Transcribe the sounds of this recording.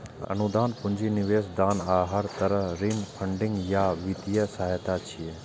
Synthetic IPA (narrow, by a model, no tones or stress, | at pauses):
ɐ̰nud̪aːnpʊɲd͡ʒinɪʋeːsd̪aːnaːɦɐɾt̪ɐɾɐɦɾiːnpʰɐɳɖɪŋɡjaːʋit̪ijəsɐɦajt̪at͡ʃʰie